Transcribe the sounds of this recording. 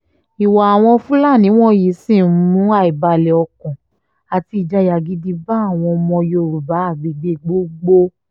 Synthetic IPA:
i˨wa˨a˨w̃ɔ̃˧fũ˦la˦˨nĩ˨˦w̃ɔ̃˦˨ji˨˦sĩ˦˨˦mũ˨˦a˦˨i˨ba˧lɛ˨ɔ˧kɔ̃˨ | a˨ti˧i˨d͡ʒa˧ja˨ɡi˨˦di˧ba˦a˦˨w̃ɔ̃˧mɔ̃˧jo˧˨ɾu˨ba˨˦a˦˨ɡ͡be˨˧ɡ͡be˧˦ɡ͡bo˦ɡ͡bo˦

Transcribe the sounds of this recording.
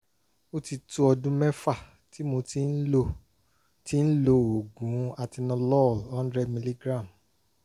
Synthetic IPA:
o˦ti˧tu˦ɔ˧dũ˦mɛ̃˦fa˦˨ | ti˨˦mo˧ti˦o˦ | ti˦n̩˦lo˦˧o˨ɡũ˨˦a˧ti˧nɔ̃˧lɔ˦˨lɔ˦n̩˦dɾɛ˧mĩ˧li˦ɡɾã˦˨m

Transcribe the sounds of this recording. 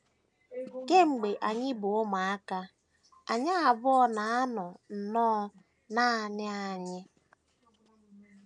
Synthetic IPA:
ke˦ŋ͡m̩˨ɡ͡be˨ʔa˨ɲɪ˦bʊ˨ʊ˦ma˨a˦ka˦ | a˨ɲa˦a˨bʊ˦ɔ˦na˨a˦nʊ˨n̩˨nɔː˦ | na˦˨nɪ˦a˨ɲɪ˦

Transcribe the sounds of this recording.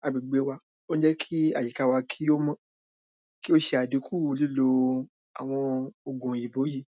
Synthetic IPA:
a˨bi˨ɡ͡be˨˦wa˧ | o˦d͡ʒɛ˦kʰi˦a̰˦˨i˨ka˨˧˦wa˧kʰi˦o˦mã˦ | ki˦o˦ʃe˧a˨di˨˦ku˦˨wu˧li˦lo˧ | a̰˨w̃ɔ̃˧o˧ɡũ˨ji˨bo˨˦ji˦˨

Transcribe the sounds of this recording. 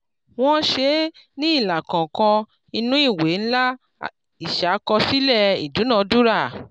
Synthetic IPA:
w̃ɔ̃˦ʃe˧˦nĩ˦i˦˨la˨kã˨kã˧ | i˧nũ˦i˦˨we˨˦n̩˦la˦ | i˨ʃa˨˦kɔ˧si˦lɛ˦˨ḭ˨du˨˦nã˧˦du˦ɾa˦˨

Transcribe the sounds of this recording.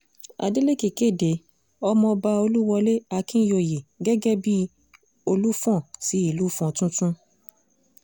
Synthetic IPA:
a̰˧de˦le˦˨ke˨ke˦˨de˨˦ | ɔ˦mɔ̃˧ba˧o˧lu˦wɔ˧le˦a˧kĩ˦jo˧˨je˨ɡɛ˦ɡɛ˦bi˦ | o˧lu˦fɔ̃˦˨ti˨˦i˦˨lu˦fɔ̃˧tũ˦tũ˦

